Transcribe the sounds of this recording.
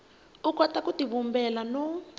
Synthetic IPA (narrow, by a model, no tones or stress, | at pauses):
ukɔtakutiβumbɛlanɔ